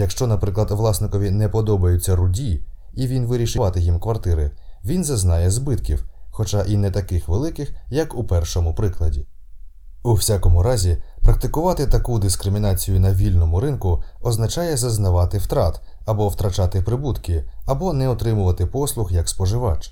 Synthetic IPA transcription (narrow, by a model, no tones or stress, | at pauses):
jɐkʃt͡ʃɔnɐpɾɪklˠɐd̪ʋlˠɑsnɪkɔʋʲinɛpɔd̪ɔbɐjʊt͡sʲːɐɾʊdʲi | iʋʲinʋɪɾʲiʃɪʋɑt̪ɪjimkʋɐrt̪ɪɾɪʋʲinzɐznɑjɛzbɪt̪kʲiwxɔt͡ʃaʔinɛt̪ɐkɪxʋelˠɪkɪxjɐkupɛrʃɔmʊpɾɪklˠɐdʲi | uwsʲakɔmʊɾɑzʲipɾɐk̚t̪ɪkʊʋɑt̪ɪt̪ɐkud̪ɪskɾɪmʲinɑt͡sʲijʊnɐʋʲilʲnɔmʊɾɪnkʊɔznɐt͡ʃɑjɛzɐznɐʋɑt̪ɪwt̪ɾɑt̪ | ɐbɔwt̪ɾɐt͡ʃɑt̪ɪpɾɪbut̪kɪɐbɔnɛɔt̪ɾɪmʊʋɐt̪ɪpɔslˠʊxjɐkspɔʒɪʋɑt͡ʃ